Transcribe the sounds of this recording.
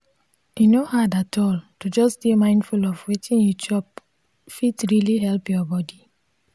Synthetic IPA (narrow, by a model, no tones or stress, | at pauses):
jinohadatʰɔltud͡ʒɔsd̥emãɪ̃ndfulɔvwetʰĩnjut͡ʃɔp | fitɹiliɦɛlpjɔbɔdi